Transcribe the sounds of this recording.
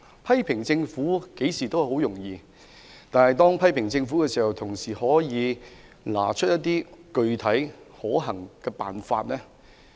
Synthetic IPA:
pʰɐ˥jpʰɪ˨˩ŋt͡sɪ˧ŋfuː˨˥ke˨˥jsiː˨˩t̪o˥whɐ˨jho˨˥wjʊ˨˩ŋjiː˧ | t̪aː˨nhɐ˨jt̪ɔː˥ŋpʰɐ˥jpʰɪ˨˩ŋt͡sɪ˧ŋfu˨˥kɛː˧siː˨˩hɐ˨wt̪ʰʊ˨˩ŋsiː˨˩hɔː˨˥jiː˨˧ | la̰ː˨˩t͡ʃʰɵ˥t̚jɐ˥t̚t̪ːiː˥kɵ˨˧ɥt̪ʰɐ˨˥j | hɔː˨˥ɦɐ˨˩ŋkɛː˧pa̰ː˨nfa̰ː˧t̚lɛː˥

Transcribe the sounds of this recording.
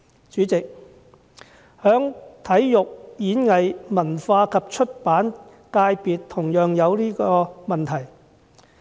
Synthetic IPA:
t͡ʃyː˨˥t͡sɪ˨k̚ | hœː˨˥ŋt̪ʰɐ˨˥jjʊ˨k̚jiː˨˥nŋɐ˨jmɐ˨˩nfaː˧kʰɐ˨p̚t͡ʃʰɵ˥t̚paː˨˥n | kaː˧jpiː˨tt̪ʰʊ˨˩ŋjœː˨ŋjɐ˨˧wliː˥kɔː˧mɐ˨nt̪ʰɐ˨˩j

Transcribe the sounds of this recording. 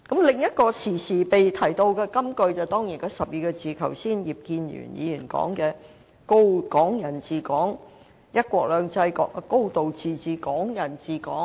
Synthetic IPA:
kɐ˨˥mlɪ˨ŋjɐ˥t̚kɔː˧sʰiː˨˩siː˨˩pe˨jt̪ʰɐ˨˩jt̪o˧wkɛː˧kɐ˥mkɵ˧ɥt͡sɐ˨wt̪ɔː˥ŋjiː˨˩nkɔː˨˥sɐ˨p̚jiː˨˧kɔː˧t͡siː˨kʰɐ˨˩wsiː˥˩njiː˨p̚kiː˧njy̰ː˨˩njḭː˨˧jyː˨˩nkɔ̰ː˨˥ŋkɛː˧ | ko˥wkɔː˨˥ŋjɐ˨˩nt͡siː˨kɔː˨˥ŋ | jɐ˥t̚kʷɔː˧k̚lœː˨˧ŋt͡sɐ˧jkːko˥wt̪o˨wt͡siː˨t͡siː˨kɔː˨˥ŋjɐ˨˩nt͡siː˨kɔ̰ː˨˥

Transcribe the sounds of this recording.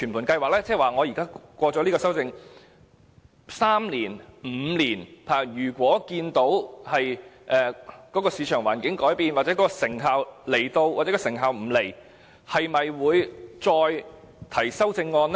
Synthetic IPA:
t͡ʃʰyː˨˩npʰu˨˩nkɐ˧jwaː˨k̚lɛː˥t͡sɛ˥˨waː˨˩ŋɔː˨˧jiː˨˩kaː˥kʷɔː˧t͡sɔː˨˥liː˥kɔː˧sɐ˥wt͡sɪ˧ŋ | saː˥mliː˨˩nm̩ː˨˧liː˨˩npʰaː˨˩jyː˨˩kʷɔː˨˥kiː˧nt̪o˨˥whɐ˨jʔɛː˨˩kɔː˨˥kɔː˧siː˨˧t͡ʃʰœː˨˩ŋwa̰ː˨˩nkɪ˨˥ŋkɔː˨˥jpiː˨nwaː˨t͡sɛ˨˧˥kɔː˨˥kɔː˧sɪ˨˩ŋɦaː˨˧wle˨˩jt̪o˧wwaː˨t͡sɛː˨˧˥kɔː˧sɪ˨˩ŋɦaː˨wm̩˨˩le˨˩j | hɐ˨jmɐ˨jwuː˨˧jt͡sɔː˧j | t̪ʰɐ˨˩jsɐ˥wt͡sɪ˧ŋːɔː˧n˥

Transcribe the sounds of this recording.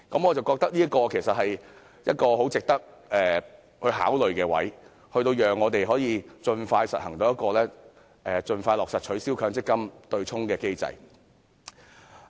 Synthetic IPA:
kɐ˨˥mŋɔː˨˧t͡sɐ˨wkɔː˧k̚t̪ɐ˥k̚liː˥ɐ˥kːɔː˧kʰe˨˩jsɐ˨t̚hɐ˨j | jɐ˥t̚kɔː˧ho˨˥wt͡sɪ˨k̚t̪ɐ˥k̚ | ʔɛː˨˩ | hɵ˧ɥɦa̰ː˨˥wlɵ˨ɥkɛː˧wɐ̰˨˥j | hɵ˧ɥt̪̬o˧wjœː˨ŋːɔː˨˧t̪e˨jɦɔː˨˥jiː˧t͡ʃɵ˧nfaː˧jsɐ̰˨t̚hɐ˨˩ŋt̪o˧wjɐ˥t̚kɔː˧lɛː˥ | ʔɛː˨t͡ʃɵ˧nfaː˧jlɔː˨ksɐ˨t̚t͡ʃʰɵ˨˥ɥsiː˥wkʰœː˨˥ŋt͡sɪ˥kːɐ˥mt̪ɵ˧ɥt͡sʰʊ˥ŋkɛː˧ke˥jt͡sɐ̰˨˧j

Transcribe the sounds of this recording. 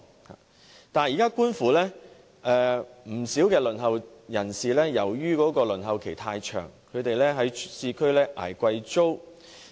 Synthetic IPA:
ha̰ː˨ | t̪aː˨njiː˨˩kaː˥kuː˥nfuː˨lɛː˥ | ʔɛː˧m̩˨˩siː˨˥wkɛː˧lɵ˨˩nhɐ˨˩wjɐ˨˩nsiː˨lɛː˥jɐ˨˩wjyː˥kɔː˨˥kɔː˧lɵ˨˩nɦɐ˨wkʰe˨˩jt̪ʰaː˧jt͡ʃʰœ̰ː˨˩ŋkʰɵ˨˧ɥt̪e˨jlɛː˥ɦɐ˨˥jsiː˧kʰɵ˥ɥlɛː˥ʔa̰ː˨˩jkʷɐ˧jt͡ʃt͡so˥w

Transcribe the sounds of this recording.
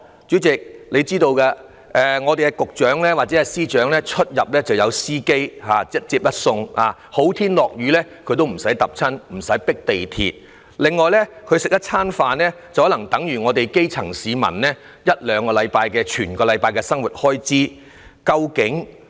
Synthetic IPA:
t͡ʃy˨˥t͡sɪ˨k̚le˨˧jt͡siː˥t̪o˧wkaː˧ | ʔɛː˨ŋɔː˨˧t̪e˨kɛ˧kʊ˨k̚t͡ʃœː˨˥ŋlɛː˥waː˨t̚t͡sɛ˨˦ɛ˧siː˥t͡ʃœː˨˥ŋlɛ˥t͡ʃʰɵ˥t̚jɐ˨p̚lɛː˥t͡sɐ˨wjɐ˨˧wsiː˥ke˥jhaː˨˧ɐ˥t̚t͡siː˧p̚jɐ˥t̚sʊ˧ŋa̰ː˨˧ho˨˥wt̪ʰiː˥nlɔː˨k̚jyː˨˥lɛ˥kʰɵ˧ɥt̪o˥wm̩˨˩sɐ˨˥jt̪ɐ˨p̚t͡sʰɐ˥nm̩˨˩sɐ˨˥jpɪ˥k̚t̪e˨jt̪ʰḭ˨t̚ | lɪ˨ŋːɔː˨jlɛ˥kʰɵ˨˧ɥsɪ˨k̚jɐ˥t̚t͡sʰaː˥nfaː˧nlɛː˥t͡swhɔ˨˥lɐ˨˩ŋt̪ɐ˨˥ŋjyː˨˩ŋɔː˨˧t̪e˨jke˥jt͡sʰɐ˨˩ŋsiː˨˧mɐ̰˨˩nlɛ˥ | jɐ˥t̚lœː˨˧ŋkɔː˧lɐ˨˧jpaː˧jkɛː˧t͡ʃʰyː˨˩nkɔː˧lɐ˨˧jpaː˧jkɛː˧sɐ˥ŋwu˨˩t̚hɔː˥jt͡siː˥ | kɐ˧wkɪ˨˥ŋ

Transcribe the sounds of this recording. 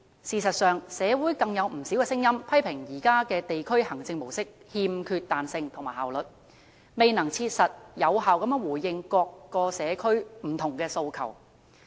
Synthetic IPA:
siː˨˩sɐ˨t̚sœː˨ŋsɛː˨˧wuː˨˥jkɐ˧ŋjɐ˨˧wm̩˨˩si˨˥wkɛː˧sɪ˥ŋjɐ˥mpʰɐ˥jpʰɪ˨˩ŋjiː˨˩kaː˥kɛː˧t̪e˨jkʰɵ˥ɥhɐ˨˩ŋt͡sɪ˧ŋmo˨˩wsɪ˥k̚ | hiː˧mkʰyː˧t̚t̪aː˨nsɪ˧ŋt̪ʰʊ˨˩ŋmaː˨˩haː˨wlɵ˨t̚ | me˨jnɐ˨˩ŋt͡sʰiː˧t̚sɐ˨t̚jɐ˨˧wɦaː˨wkɐ˨˥mjœː˥ŋwuː˨˩jjɪ˧ŋkɔː˧kːɔː˧sɛː˨˧kʰɵ˥ɥm̩˨˩t̪ʰʊ˨˩ŋkɛː˧so˧wkʰɐ̰˨˩w

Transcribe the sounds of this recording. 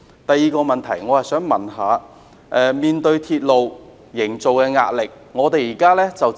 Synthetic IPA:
t̪ɐ˨jːiː˧kɔː˧mɐ˨nt̪ʰɐ˨˩jŋɔ˨˧hɐ˨sœː˨˥ŋmɐ˨nɦaː˨˧ | ʔɛː˨˧miː˨nt̪ɵ˧ɥt̪ʰiː˧t̚lo˨w | jɪ˨˩ŋt͡so˨wkɛː˧ŋaː˧t̚lɪ˨k̚ | ŋɔː˨˧t̪e˨jiː˨˩kaː˥lɛː˥t͡sɐ˨w

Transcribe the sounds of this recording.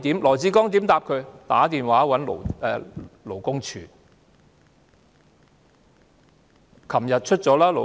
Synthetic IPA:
t̪iː˨˥mlɔː˨˩jt͡siː˨˥kɔː˥ŋt̪iː˨˥mt̪aː˧p̚kʰɵ˨˧ɥt̪aː˨˥t̪iː˨nwaː˨˥wɐ˨˥nlo̰˨˩wɛː˧lo˨˩wkʊ˥ŋt͡ʃʰy̰ː˨˩ | kʰɐ˨˩mjɐ˨t̚t͡ʃʰɵ˥t̚t͡sɔː˨˥laː˥lo˨

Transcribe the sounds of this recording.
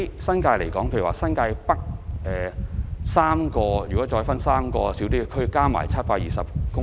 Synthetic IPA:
jsɐ˥nkaː˧jlḛ˨˩jkɔː˨˥ŋpʰe˧jwa̰ː˨˧sɐ˥nkaː˧jpɐ˥k̚ʔɛː˨saː˥mkɔː˧jyː˨˩kɔ˨˥t͡ʃɔː˧jfɐ˥nsaː˥mkɔː˧siː˨˥wt̪̬iː˥kʰɵ˥ɥkaː˥ma̰ː˨˩jt͡sʰɐ˥t̚paː˧k̚jiː˨sɐ˨p̚kʊ˥

